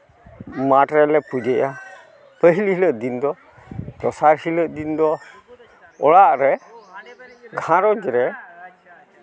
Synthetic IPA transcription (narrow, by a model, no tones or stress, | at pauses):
maʈɾɛlɛpud͡ʒɛʔa | pəɦililəʔd̪ind̪ɔ | t̪ɔsaɾhiləʔd̪ind̪ɔ | ɔɽaʔɾɛ | ɡʱãɾɔd͡ʒɾɛ